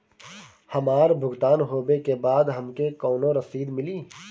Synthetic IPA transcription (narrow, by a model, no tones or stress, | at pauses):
hɐmaːɾbʱʊɡt̪aːnɦoːbekebaːd̪ɦɐmkekɔːnõɾɐsiːd̪mɪliː